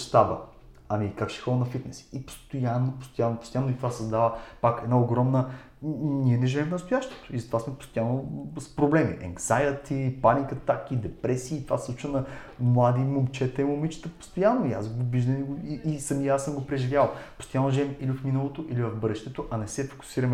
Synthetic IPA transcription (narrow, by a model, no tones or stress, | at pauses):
ʃt̪abə̰ | ɐmikakʃɛ̥xɔd̪nɐfit̪nɛsi̥ipo̥st̪ojanːopo̥st̪ojanːopost̪ojanːoit̪ovasɐzd̪avəpakɛd̪naoɡɾɔmnə | niɛnɛʒɐvɛmfnɐst̪ojaʃt̪o̥t̪o̥izɐt̪ovasmɛpo̥st̪ojanːospɾoblɛmḭʔɛ̰ŋksajət̪ipanikɐt̪akid̪ɛpɾɛsiːt̪ova̰slˠut͡ʃvənɐmlˠad̪imomt͡ʃɛt̪əimomit͡ʃə̥t̪əpo̥st̪ojanːoia̰sɡoviʒd̪ɐnɛɡoiisɐmiasəmɡopɾɛʒivʲjalˠpo̥st̪ojanːoʒɛɛmilifminəlˠot̪oʔilivɐvbɤd̪ɛʃt̪ɛt̪oʔɐnɛsɛfo̥kʊ̥siɾɐmɛ